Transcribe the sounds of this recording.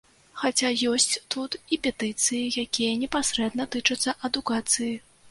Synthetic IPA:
xat͡sʲajɔsʲt͡sʲt̪ut̪ipʲɛt̪ɨt̪sɨjijakʲijɐnʲɛpasɾɛd̪nɐt̪ɨt͡ʂɐt̪sːɐʔɐd̪ukat̪sɨji

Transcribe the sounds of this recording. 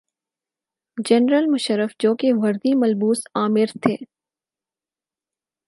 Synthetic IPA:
d͡ʒɛnɾəlmʊʃəɾəfd͡ʒoːkeʋɐɾd̪imɐlbuːsaːmɪɾt̪ʰeː

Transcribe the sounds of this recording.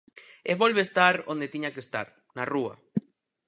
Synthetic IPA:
eβolβeːst̪aɾo̰nd̪et̪iɲakest̪a̰ɾ | narua̰

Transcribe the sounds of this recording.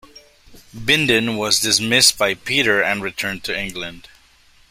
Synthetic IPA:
bɪ̃ndɨ̃nwʌzdɨsmɪst̚b̥aɪpʰiɾə˞ɨ̃nɹɨtʰɜ̃˞n̚tʰɨɪ̃ŋɡlɨ̃nd̥

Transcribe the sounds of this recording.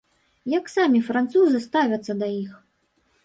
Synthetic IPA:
jɐksamʲifɾant̪suzɨst̪avʲɐt̪sːɐd̪ɐjix

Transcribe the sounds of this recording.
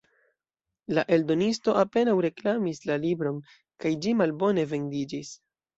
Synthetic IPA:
laʔe̞ldo̞nisto̞ape̞nawɾe̞klamislalibɾo̞n | kajd͡ʒimalbo̞ne̞ve̞ndid͡ʒis

